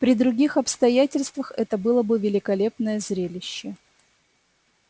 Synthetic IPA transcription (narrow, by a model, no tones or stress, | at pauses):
pɾʲɪd̪ɾʊɡʲixɐpst̪ɐjætʲɪlʲst̪vəxɛt̪əbɨlˠəbɨvʲɪlʲɪkɐlʲe̞pnəjəzɾʲelʲɪɕːɪ